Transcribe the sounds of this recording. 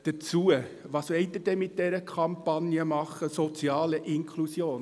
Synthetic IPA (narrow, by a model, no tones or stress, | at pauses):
d̥ət͡suə | ʋɑːsʋɛɪt̪ːəd̥ɛmɪt̚d̥ɛɾəkʰɑmpɑnjəmɑχəsɔt͡siɑːləʔɪŋkʰlusjoːn